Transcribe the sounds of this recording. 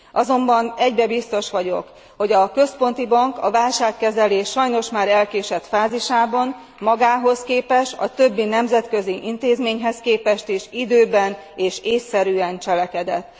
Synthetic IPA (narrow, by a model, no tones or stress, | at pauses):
ʔɒzo̞mbɒnɛɟbɛbist̪o̞ʃʋɒɟo̞k | ho̞ɟɒkø̞spo̞nt̪ibɒŋkɒvaːlʃaːkːɛzɛleːʃɒjno̞ʃmaːɾɛlkeːʃɛt̪faːziʃaːbɒn | mɒɡaːɦo̞skeːpɛʃɒ̰t̪øbːinɛmzɛt̪kø̞ziʔint̪eːzmeːɲɦɛskeːpɛʃt̪iʃid̪øːbɛn | eːʃeːsːɛɾyːɛnt͡ʃɛlɛkɛd̪ɛt̪ː